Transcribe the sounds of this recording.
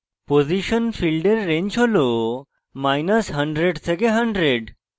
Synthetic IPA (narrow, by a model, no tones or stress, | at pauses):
poziʃənfʰilɖeɾːẽɲt͡ʃʰolo | majnəsɦəɳɖɾeɖtʰekeɦəɳɖɾeɖ